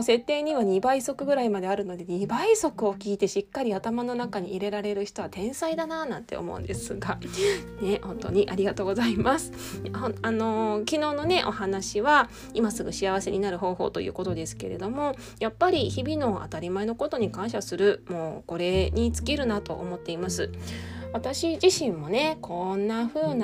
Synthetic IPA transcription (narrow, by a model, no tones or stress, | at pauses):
se̞t̪ːe̞ːɲ̟iβaɲ̟ibaiso̞kɯ̟ɡɯ̟ɾaimad̪e̞aɾɯ̟no̞d̪e̞ɲ̟ibaiso̞kɯ̟o̞kʲiːt̪e̞ɕikːaɾʲiat̪amano̞nakaɲ̟iːɾe̞ɾaɾe̞ɾɯ̟çi̥t̪o̞βat̪ẽ̞ɰ̃said̪anaːnãnt̪e̞o̰mo̞̰ɯ̰nd̪̥e̞sɨɡane̞hõ̞nt̪o̞̰ɲ̟iʔaɾʲiɡat̪o̞ːɡo̞zaimasɨ̥ | oano̞kʲino̞ːno̞ne̞ʔo̞hanaɕiβa | imasɨɡɯ̟ɕiaβ̞ase̞ɲ̟inaɾɯ̟ɦo̞ːɦo̞̰ːt̪o̞̰jɯ̰ːko̞t̪o̞d̪e̞sɨ̥ke̞ɾe̞̰d̪o̞mo̞ | japːaɾʲiçibʲino̞ʔa̰t̪aɾʲimaeno̞ko̞t̪o̞ɲ̟ikãɰ̃ɕasɨɾɯ̟mo̞ːko̞ɾe̞ɲ̟it͡sɨ̥kʲiɾɯ̟nat̪o̞̰ʔo̰mo̞t̪ːe̞imasɨβat̪aɕiʑiɕĩmːo̞ne̞kʰo̞nːaɸɯ̟ːn